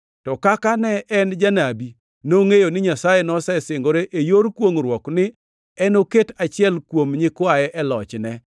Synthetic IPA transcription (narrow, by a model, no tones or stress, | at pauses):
tɔkakanɛɛnd͡ʒanabi | noŋejonɪɲasajenɔsɛsɪŋɡoɾeʔejoɾkwoŋɾwɔknɪ | ɛnoketat͡ʃɪɛlkwomɲɪkwajɛʔɛlɔt͡ʃnɛ